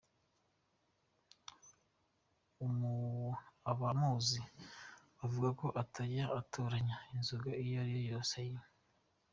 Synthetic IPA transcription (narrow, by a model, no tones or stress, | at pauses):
umu | aβamuːzi | avuɡako̞ʔatʰaɾaʔatʰoɾaɲainzuɡaijoaɾijojoːsejo